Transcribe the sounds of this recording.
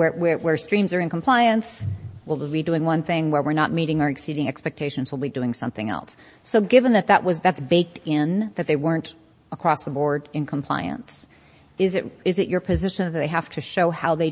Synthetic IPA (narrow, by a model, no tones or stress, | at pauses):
wə˞wə˞wə˞stɹ̥ĩmzə˞ɨ̃nkʰm̩pʰl̥aɪɨ̃nswɪlˠbidʉɪ̃ŋwʌ̃nθɪ̃ŋwə˞wɨɹnət̚miɾɪ̃ŋə˞ɨksiɾɪ̃ŋɛkspɛk̚tʰeɪʃɨ̃n̩zwɪlˠbidʉɪ̃ŋsʌ̰̃mθɪ̃ŋɛ̰lˠsː | oʊɡɪvɨ̃nðɨt̪̚ðəʔwʌzðætsb̥eɪk̚tɪ̃nðɨt̪̚ðeɪwɜ̃˞nt | əkʰɹ̥ɔsðəbɔɹɾɨ̃nkʰmpʰl̥a̰ɪɨ̰̃ns | ɪzɨt̚ɪzɨt͡ʃə˞pʰɨzɪʃɨ̃nðɨt̪̚ðeɪɦæftʰɨʃoʊhaʊðeɪ